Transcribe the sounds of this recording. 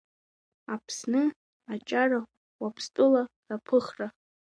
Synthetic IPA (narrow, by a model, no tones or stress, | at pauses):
apʰsnɨ | at͡ʃʼara | wapʰstʼɨlarapʰɨχra